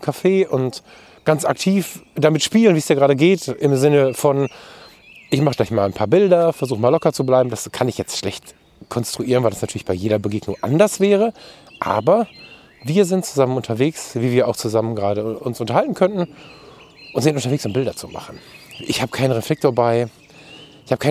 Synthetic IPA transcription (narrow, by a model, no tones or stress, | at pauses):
mkʰafeːʔʊnt | ɡ̥ant͡sa̰ktʰiːfd̥amɪtʃpiːlənviːsd̥iːɐɡʁaːdəɡeːtɪmzɪnəfɔn | ʔɪçmaχəɡ̥laɪçmaːlanpʰaːɐbɪldɐfɛɐzuːxəmaːlɔkɐt͡sublaɪbm̩daskʰanɪçjɛt͡stʃlɛçt | kʰɔnstʁ̥uʔiːʁənvaɪdasnatyːɐlɪçb̥aɪjeːɾɐbəɡeːɡnʊŋʔa̰ndɐsv̥ɛːʁə | ʔa̰ːbɐ | viːɐzɪnt̚t͡suzamənʊntʰɐveːksviːviːɐʔaʊxt͡suzamənɡʁaːdəʔʊnsʔʊntɐhaltn̩kʰœntn̩ | ʔʊntz̥ɪntʊntɐveːksʊmbɪldɐt͡suma̰χn̩ʔɪçhaːbə̥kʰaɪnənʁɛflɛk̚tʰoːɐbaɪ | ʔɪçhaːbə̥kʰaɪ